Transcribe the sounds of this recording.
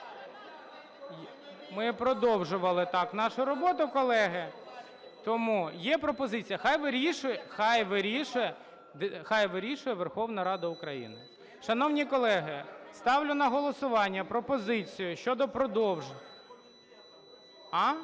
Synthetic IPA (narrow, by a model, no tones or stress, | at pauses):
mɪpɾɔd̪ɔwʒʊʋɐlˠɪt̪ɑknɑʃʊɾɔbɔt̪ʊkɔlˠɛɦɪ | t̪ɔmujɛpɾɔpɔzɪt͡sʲijɐxɑjʋɪɾʲiʃʊjɛxɑjʋɪɾʲiʃʊjɛ | d̪xɑjʋɪɾʲiʃʊjɛʋerxɔwn̪ɐɾɑd̪ɐʊkɾɐjḭnɪ | ʃɐnɔwnʲikɔlˠɛɦɪst̪ɑwlʲʊnɐɦɔlˠɔsʊʋɑnʲːɐpɾɔpɔzɪt͡sʲijʊʃt͡ʃɔd̪ɔpɾɔd̪ɔwʒ | ɑ